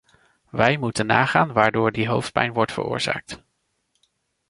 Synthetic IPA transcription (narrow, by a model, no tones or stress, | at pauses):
ʋɛjmutənːaːχaːnʋaːɹdoːɹdiɦowft̚pɛjnʋɔɹtfə̰rʊ̰ːɹz̥a̰ːk̚t